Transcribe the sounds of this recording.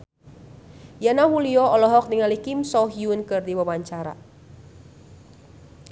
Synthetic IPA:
janaɦuliɔɔlɔɦɔk̚niŋalikimsɔɦiunkɨrdiwawaɲt͡ʃaɾa̰

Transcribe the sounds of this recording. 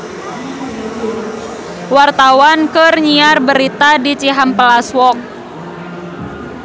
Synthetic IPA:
wart̪awankɨrɲiarbəɾit̪adit͡ʃiɦampəlaswɔk̚

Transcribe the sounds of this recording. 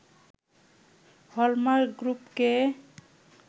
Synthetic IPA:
hɔlmaɾɡɾupke

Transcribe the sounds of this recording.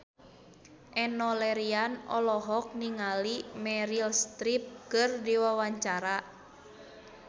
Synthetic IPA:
ʔɛnɔlɛɾianɔ̰lɔɦɔk̚niŋalimɛɾilst̪ɾip̚kɨrdiwawaɲt͡ʃaɾa

